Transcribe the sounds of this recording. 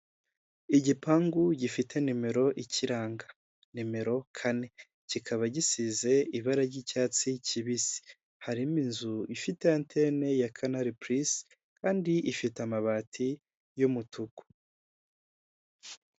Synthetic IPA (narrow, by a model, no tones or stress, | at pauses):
iɟipaːŋɡuɟifitʰe̞nime̞ɾo̞ʔiciɾaːŋɡa | nime̞ɾo̞kʰane̞ | cikʰaβaɟisize̞iβaɾaɾɟicaːt͡sicʰiβisi̥ | haɾiminzuifite̞antʰene̞jakʰanaɾipɾis | kaːndiʔifitamaβaːtʰi | jomutʰuku̥